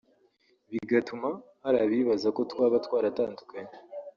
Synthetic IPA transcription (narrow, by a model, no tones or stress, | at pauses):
βiɡatumahaɾaβiβazako̞twaːβatwaːɾataːndukaɲe